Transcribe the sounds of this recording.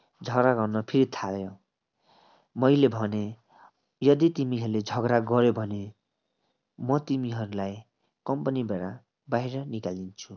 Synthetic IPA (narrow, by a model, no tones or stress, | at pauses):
d͡zʱʌɡɾaɡʌrnʌpʰiɾit̪ʰaljo | mʌjlebʱʌne | jʌd̪it̪imiɦʌɾuled͡zʱʌɡɾaɡʌɾjobʱʌne | mʌt̪imiɦʌɾulaj | kʌmpʌnibeɽa | baiɾʌnikalint͡sʰu